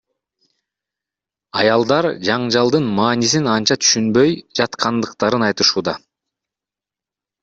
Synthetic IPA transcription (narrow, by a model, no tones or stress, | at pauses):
ɑjɑlˠd̪ɑɾd͡ʒɑɴd͡ʒɑlˠd̪ɯnmɑːnis̬inɑnt͡ʃɑt̪ʰy̥ʃynbø̞jd͡ʒɑt̪qʰɑnd̪ɯqt̪ɑɾɯnɑjt̪ɯʃuːd̪ɑ